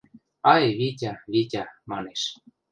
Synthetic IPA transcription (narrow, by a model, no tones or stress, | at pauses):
ɑjβitʲɑβitʲɑmɑneʃ